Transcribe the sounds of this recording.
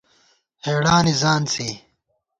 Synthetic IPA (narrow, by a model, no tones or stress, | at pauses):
heːɽaːnizaːnt͡sʰiː